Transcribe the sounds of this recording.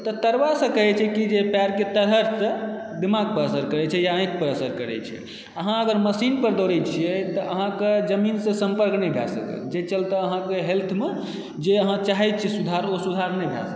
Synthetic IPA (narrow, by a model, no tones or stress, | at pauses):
t̪ɔt̪əɾʋasə̃kəɦɛt͡ʃʰɛkid͡ʒepaɾket̪əɾɦəɾsə̃ | d̪imaɡ̚pəɾəsəɾkəɾɛt͡ʃʰɛjaə̃jk̪̚pəɾəsəɾkəɾɛ̰t͡ʃʰɛ̰ | əɦãəɡəɾməsinpəɾd̪oɾɛt͡ʃʰijɛt̪ɔʔəɦãked͡ʒəminsə̃sə̃mpəɾknɛjbʱja̰sə̰kə̰ld͡ʒet͡ʃəlt̪əəɦãkeɦelt̪ʰme | d͡ʒeəɦãt͡ʃaɦɛjt̪̚t͡ʃʰɛsud̪ʱaɾosud̪ʱaɾnɛjbʱja̰sək